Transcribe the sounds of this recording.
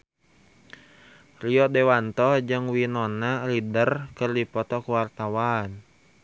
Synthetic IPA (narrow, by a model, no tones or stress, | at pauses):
riɔdɛwant̪ɔd͡ʒɨŋwinɔnalidərkɨrdipɔt̪ɔkuwart̪awan